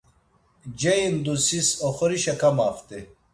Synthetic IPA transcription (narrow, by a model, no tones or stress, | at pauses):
d͡ʑɐind̪usisoxoɾiɕɐkɐmaːft̪e